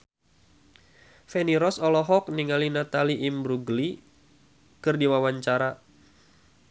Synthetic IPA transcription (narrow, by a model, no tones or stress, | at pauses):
fɛniɾɔsɔlɔɦɔk̚niŋalinat̪aliʔimbɾuɡli | kɨrdiwawaɲt͡ʃaɾa